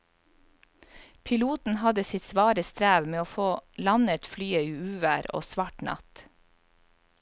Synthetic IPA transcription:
pʰɪluːt̪n̩hɑd̪əsɪt̪sʋɑːɾəst̪ɾæːʋmeːoːfoːlɑnət̪flyːəiːʉːʋæːɾo̰ːsʋɑːʈnɑ̰t̪

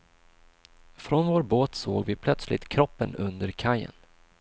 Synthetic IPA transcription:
fɾɔnvoːɾboːt̪so̰ːɡvɪpʰlœt̪slɪ̰t̪kʰɾɔpːənɵnd̪əɾkʰajːə̰n

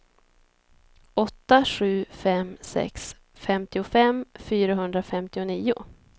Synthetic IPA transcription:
ɔt̪ːaɧʉ̟ːfɛmsɛ̰ks | fɛmt̪ɪʊfɛmfyːɾaɦɵnd̪ɾafɛmt̪ɪʊniːʊ̰

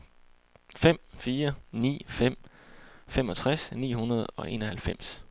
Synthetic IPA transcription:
fem̰fiːɐnḭːfem̰ | femɒ̽t͡sʰʁasnḭːɦunɐð̞ˠɒ̽ʔe̝̰ːnɒɦælfem̰s

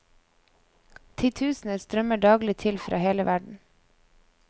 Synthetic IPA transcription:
t̪ʰɪːt̪ʰʉːsn̩əst̪ɾœməɖɑːɡlɪt̪ʰɪlfɾʔɑ̰ːheːləʋʔæɖɳ̩

